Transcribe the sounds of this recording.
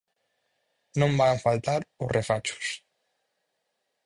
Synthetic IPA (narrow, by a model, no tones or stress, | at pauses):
nõmbaɱfalt̪aɾurefat͡ʃu̥s